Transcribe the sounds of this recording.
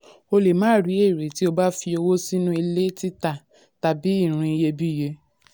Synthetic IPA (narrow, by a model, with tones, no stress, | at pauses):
o˧le˨mãː˨˦ɾi˨˦e˦˨ɾe˨ti˦o˦˧ba˦fi˧o˧wo˦si˦nũ˦i˧le˦ti˦ta˦˨ | ta˨bi˨˦i˦˨ɾ̃ũ˧i˧je˧bi˦je˧